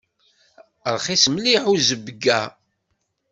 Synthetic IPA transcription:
ɾχisəmliħuzəbəɡːæ

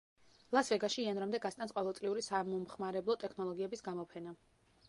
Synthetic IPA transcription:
lˠasvɛɡaʃiːanɾamd̪ɛɡast̪ʼansqʼɔvɛlˠt̪ʼliuɾisamɔmχmaɾɛblˠɔt̪ʼɛkʰnɔlˠɔɡiɛbisɡamɔpʰɛna

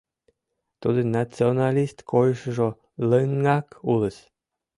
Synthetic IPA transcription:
t̪ud̪ənat͡sionɑlʲist̪kojʃəʒo | ləŋːɑkuləsʲ

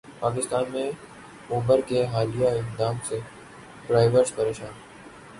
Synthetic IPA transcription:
paːkɪst̪aːnmẽ | uːbəɾkeɦaːlijaɪqd̪aːmse | pɾaːɪʋəɾʈpɐɾeːʃaːn

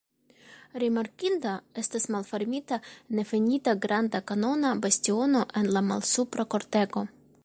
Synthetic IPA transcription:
ɾimaɾkind̪ae̞st̪asmalfe̞ɾmit̪ane̞fenit̪aɡɾand̪akano̞nabastio̞no̞ʔe̞nlama̰lsupɾako̞ɾt̪e̞ɡo̞

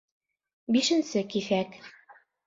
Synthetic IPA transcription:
biʃɘ̆nsɘkiθæk

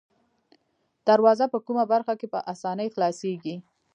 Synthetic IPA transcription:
d̪̥aɾwɑzapəkumabaɾxakepə̰ʔasɑnəjxlɑseɡi

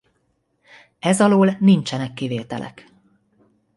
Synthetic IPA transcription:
ɛzɒloːlnint͡ʃɛnɛkːiveːt̪ɛ̰lʔɛ̰k

